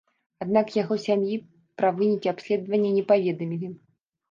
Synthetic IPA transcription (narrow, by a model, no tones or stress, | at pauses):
ad̪̚nakjaɣɔsʲamji | pɾavɨnʲikʲiapsʲlʲɛd̪vɐnʲːɐnʲɛpavʲɛd̪ɐmʲilʲi